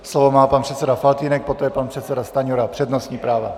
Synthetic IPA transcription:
slovomaːpanpr̝̥ɛt̪sɛdafalt̪iːnɛk̚pot̪ojɛpanpr̝̥ɛt̪sɛdast̪aɲoɾapr̥ɛdnosɲiːpɾaːva

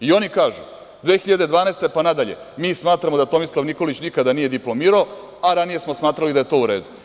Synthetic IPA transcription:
io̞nikaːʒu | d̪ʋexiʎad̪e̞d̪ʋaːnɛːst̪e̞panad̪aʎe̞̰ | miːsmaːt̪ɾamo̞d̪at̪o̞mislˠaʋniko̞lit͡ɕnikad̪anije̞d̪iplo̞miːɾao | aɾanije̞smosmaːt̪ɾalid̪aje̞t̪o̞ːuɾe̞ːd̪u

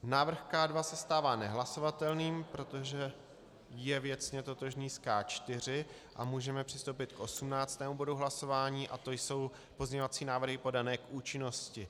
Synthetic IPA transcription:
naːvr̩xkaːdvasɛst̪aːvaːnɛɦlaso̞vat̪ɛlniːmpɾo̞t̪o̞ʒɛ | jɛvjɛt͡sɲɛt̪o̞t̪o̞ʒɲiːskaːt͡ʃt̪ɪr̝ɪ | ʔa̰muːʒɛmɛpr̝̥ɪst̪owpɪt̪kʔo̞sumnaːt͡st̪ɛːmubo̞duɦlaso̞vaːɲiːʔat̪o̞jso̞w | po̞zɲɛɲovat͡siːnaːvr̩ɦɪpo̞danɛːkʔuːt͡ʃɪno̞scɪ

